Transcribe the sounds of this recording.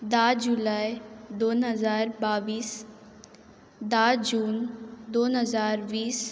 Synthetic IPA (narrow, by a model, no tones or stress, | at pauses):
d̪aːd͡ʒulaːjd̪oːnɦəzaːɾbaːʋiːs | d̪aːd͡ʒuːnd̪oːnɦəzaːɾʋiːs